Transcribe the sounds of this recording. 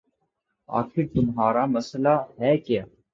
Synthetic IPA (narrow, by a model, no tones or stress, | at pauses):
a̰ːxɪɾt̪ʊmɦaːɾamɐslaɦɛːkɪjaː